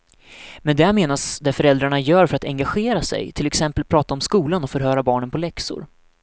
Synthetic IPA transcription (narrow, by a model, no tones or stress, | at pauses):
mɛnd̪ɛameːnasd̪ɛfœɾɛld̪ɾaɳajœːɾfœɾat̪ɛŋɡaɧeːɾasɛ̰jt̪ʰɪlɛksɛmpəlpʰɾɑːt̪aɔmskuːlanɔfœɾɦœːɾabɑːɳənpʰɔlɛksʊ̰ɾ